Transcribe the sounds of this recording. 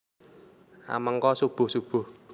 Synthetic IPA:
a̰məŋkɔsub̥o̤sub̥o̤

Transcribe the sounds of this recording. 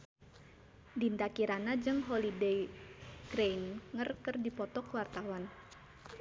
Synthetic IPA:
dint̪akiɾanad͡ʒɨŋɦɔlidejɡ̥ɾejnŋərkɨrdipɔt̪ɔkəwart̪awan

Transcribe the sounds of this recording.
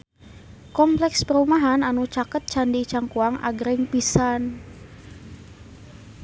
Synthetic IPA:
kɔmplɛkspəɾumaɦananut͡ʃakət̪̚t͡ʃandit͡ʃaŋkuaŋʔa̰ɡɾɪŋpisan

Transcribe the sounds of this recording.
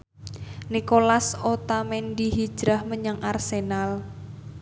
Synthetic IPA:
nikolasot̪amɛnɖiɦi̥ʒ̥ɾahməɲaŋʔarsenal

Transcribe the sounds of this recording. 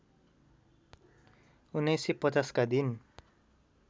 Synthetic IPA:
unajsipɔtaskad̪in

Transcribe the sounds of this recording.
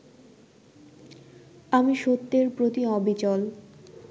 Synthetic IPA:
amiʃot̪ːeɾpɾot̪iɔbʱit͡ɕɔl

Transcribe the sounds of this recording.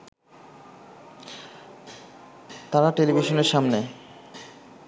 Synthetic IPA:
t̪aɾaʈelibʱiʃoneɾʃamne

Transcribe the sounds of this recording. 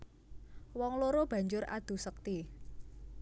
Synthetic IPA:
wɔŋloɾob̥a̤ɲd͡ʒʊra̰d̪̥ṳsək̚t̪i

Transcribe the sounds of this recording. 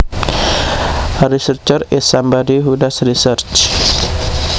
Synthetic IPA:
aɾisərt͡ʃərɛsambadiɦudasrisərt͡ʃ

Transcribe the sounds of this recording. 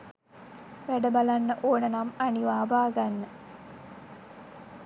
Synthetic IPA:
ʋæɖəbalanːəʔoːnənamaniʋaːbaːɡanːə

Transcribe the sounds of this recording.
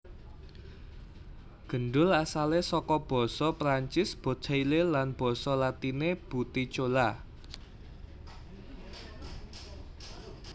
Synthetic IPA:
ɡ̥ə̤nɖʊlasalesɔkɔb̥ɔ̤sɔpɾaɲt͡ʃɪsb̥o̤̥ailelanb̥ɔ̤sɔlat̪ineb̥ṳt̪it͡ʃola

